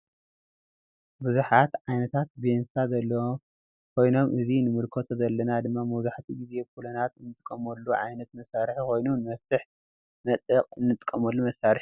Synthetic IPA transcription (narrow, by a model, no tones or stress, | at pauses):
buzuħat̪ʕajnɐt̪ʰat̪̚bensazɐlːɐ | kʰo̞jno̞mʔɨzinɨmɨɾkʰot̪ʰozɐlːɐnad̪ɨmːamɐzuħt̪ʰiɡize̞bkʰulɐnat̪ɨnːɨt̪ʼɨkʼːɐmɐlːuʕa̰jnɐt̪̚mɐsaɾħkʰo̞jnunɨmɐft̪ɨħ | mɐt̪ʼɐkʼɨnːɨt̪ʼɨ̥kʼːɐmɐlːumɐsaɾɨħ